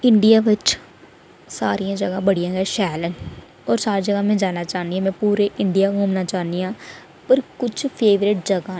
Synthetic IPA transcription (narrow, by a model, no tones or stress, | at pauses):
ɪ̃ɳɖijaːʋɪt͡ʃ | saːɾijãːd͡ʒəɡãːbəɽijãːɛʃɛːlən | ɔːɾsaːɾid͡ʒəɡaːmẽːd͡ʒaːnaːt͡ʃaːnd̪iɦɛ̃mɛ̃ːpuːɾeʔɪɳɖɪijaːɦoːmnaːt͡ʃaːniãː | pəɾkʊt͡ʃʰpʰeːʋɾɪʈ̚d͡ʒəɡãː